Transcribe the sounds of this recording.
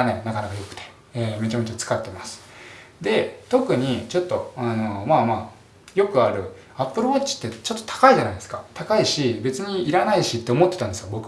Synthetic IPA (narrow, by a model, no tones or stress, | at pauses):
anenakanakajo̞kɯ̟̥t̪ʰe̥ | eːme̞t͡ɕame̞t͡ɕat͡sɨ̥kat̪ːe̞masɨ̥d̪e̞t̪o̞kɯ̟ɲ̟it͡ɕo̞t̪ːo̞ano̞maːmaː | jo̞kɯ̟aɾɯ̟̰ | apːɯ̟ɾɯot͡ɕi̥t̪ːe̞t͡ɕo̞t̪ːo̞t̪ʰḁkaiʑanaid̪e̞sɨ̥kat̪akaiɕibe̞t͡sɨɲ̟iiɾanaiɕit̪ːe̞omo̞t̪ːe̞t̪ãnd̪esɨ̥ɡabo̞kɯ